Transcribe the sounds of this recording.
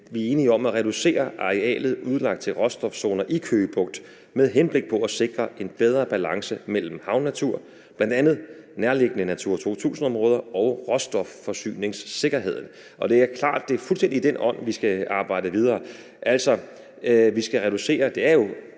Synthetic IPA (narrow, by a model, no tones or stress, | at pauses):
ʋie̝ːniɒ̽mæʁɛd̥use̝̰ːɐʔɑ̈ʁɛɛ̰ːlð̞̩ˠuð̞ˠlɑ̈ɡ̥d̥̚t͡sʰe̝lʁɒ̽sd̥ɒ̽fso̝ːnɐʔikʰøːb̥ɔ̽ɡ̥̚d̥ | meðˠɦenb̥le̝ɡ̥̚pʰɒ̽æse̝ɡ̥ʁɐe̝nb̥eð̞ˠʁɐb̥ælɑ̈ŋsəmel̰m̩hɑ̈ʊnːæt͡sʰuɐ̰ | b̥læn̰d̥ænð̞̩ˠ | næɐle̝ɡ̥ənənæt͡sʰuɐ̰t͡sʰo̝̰t͡sʰṵːsn̩ɒ̽mʁɔ̽ːð̞ˠɐɒ̽ʊʁɒ̽sd̥ɒ̽ffɒ̽sy̰ːne̝ŋsːe̝ɡ̥ɐɦe̝ð̰ˠn̩ | ʔɒ̽d̥e̝æɐkʰlɑ̰̈ːd̥̚ːe̝æɐfulsd̥en̰did̥enɒ̽n̰ʋisɡ̥æɑ̈ːb̥ɑ̈ɪ̰dəʋið̞ˠɐː | ʔæl̰sɒ̽ | ʋisɡ̥æʁɛɾ̥use̝̰ːɐd̥e̝æɐjo̝